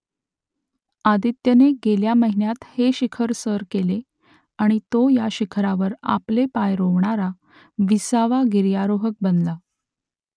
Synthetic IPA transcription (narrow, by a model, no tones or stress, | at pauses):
ad̪it̪jəneɡeljaməɦinjat̪heɕikʰəɾsəɾkele | aɽ̃it̪ojaɕikʰɾaʋəɾa̰plepajɾoʋɳaɾa | ʋisaʋaɡiɾjaɾoɦək̚bənla